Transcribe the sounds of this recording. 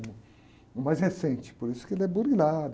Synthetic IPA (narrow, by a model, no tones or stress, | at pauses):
mʊ̃ | ʊmajzhesẽnt͡ʃɪ̥poɾisʊ̥kɪelɛbuɾɡilad̪ʊ